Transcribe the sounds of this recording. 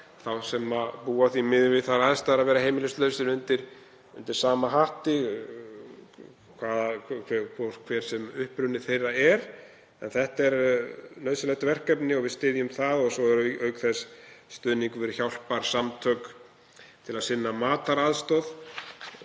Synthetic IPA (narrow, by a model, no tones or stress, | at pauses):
θawsɛmapuːaθvimɪðʏvɪðθaɾaθɛst̪aɾaðvɛːɾahejmɪlɪst̪lœːɥsɪnʏnt̪ɪɾ̥ | ʏnt̪ɪɾ̥saːmaɦaht̪ɪ | kʰvaːðkʰɛkʰvɔɾ̥kʰvɛːɾ̥sɛmʏhpɾʏnɪθejraɛɾ | ɛnθɛht̪ɛɾnœːɥsɪlajt̪avɛr̥kɛpnɪɔɣvɪðst̪ɪːðjʏmθaðɔɣsɔɛɾœœːɥkθɛsːt̪ʏːðniŋkvʏɾçawl̥paɾ̥samt̪ʰœk | t̪ʰɪlaðsɪnːamaːt̪aɾaðst̪ɔð